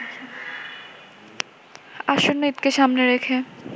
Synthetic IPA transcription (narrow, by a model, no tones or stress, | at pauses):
aʃonːeit̪keʃamneɾekʰe